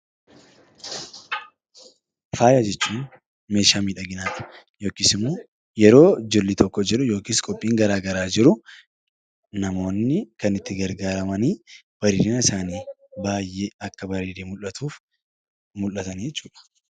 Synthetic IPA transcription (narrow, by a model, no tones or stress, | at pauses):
faːjad͡ʒɛt͡ʃːuːn | me̞ːʃaːmiːᶑɐɡɪnaːt̪ɐ̥ | jo̞ːkiːsɪmːoː | jɛɾo̞ːd͡ʒɪɾlːɪt̪ɔkːɔd͡ʒɪɾʊjo̞ːkiːskʼɔpʼːiːŋɡɐɾaːɡɐɾaːd͡ʒɪɾʊ | nɐmo̞ːnːɪkɐnɪt̪ːɪɡɐɾɡaːɾɐmɐniː | b̥ɐɾeːɾɪnɐɪsaːniː | baːjʔeɐkːɐbɐɾeːɾeːmʊlɐt̪uːf | mʊlːɐt̪ɐnd͡ʒɛt͡ʃːuːᶑɐ̥